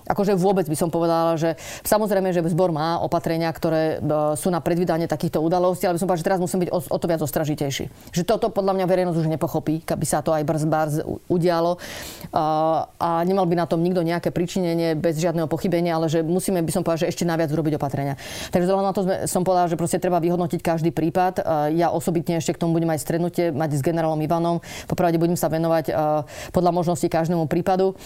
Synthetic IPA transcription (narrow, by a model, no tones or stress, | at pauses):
ʔa̰kɔʒɛʋʊɔbɛd͡zbisɔmpɔʋɛd̪alʒɛsamɔzɾɛjmɛʒɛzbɔɾmaːʔɔ̰pat̪ɾɛɲɪakt̪ɔɾɛːsuːnapɾɛd̪ʋiːd̪aɲɪiɛt̪akiːxt̪ɔuːd̪alɔscialɛbisɔmpɔʋd̪aʒɛt̪ɛɾazmusiːmɛbiɟɔɔ̰t̪ɔʋɪad͡zɔst̪ɾaʒicɛjʃḭː | ʒɛt̪ɔt̪ɔpɔd̪ʎamɲaʋɛɾɛjnɔzɟuʒɲɛpɔxɔpiːkabisat̪ɔajbr̩zbaɾz̰uɟɪalɔ | ʔaɲɛmalbinat̪ɔmɲiɡd̪ɔɲɛakɛːpɾit͡ʃiɲɛɲɪɛbɛzʒɪad̪nɛɦɔpɔxibɛɲɪaalɛʒɛmusiːmɛbisɔmpɔʋdaʒɛɛʃcɛnajʋɪad͡zuɾɔbiɟɔpat̪ɾɛɲɪa | t̪aɡʒɛzɔlɦɛmnat̪ɔzmɛ̰sɔmpɔʋɛd̪alʒɛpɾɔscɛt̪ɾɛbaʋiɦɔd̪nɔcickaʒd̪iːpɾiːpat̪jaʔɔsɔbit̪ɲɛɛʃcɛkt̪ɔmubuɟɛmajst̪ɾɛd̪nucɪɛmaɟzɡɛnɛɾaːlɔmiʋanɔmpɔpɾaʊɟɛbuɟɛmsaʋɛnɔʋacpɔd̪lamɔʒnɔscikaʒd̪ɛːmupɾiːpad̪u